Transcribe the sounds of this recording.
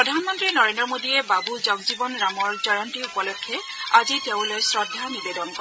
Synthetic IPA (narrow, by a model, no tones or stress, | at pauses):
pɹɔdʱanmɔntɹinɔɹendɹɔmodiɛbabuzɔɡzibɔnɹamɔɹzɔjɔntiupɔlɔkʰːjɛ | aziteʊ̃lojsɹɔdʱːanibedɔnkɔɛ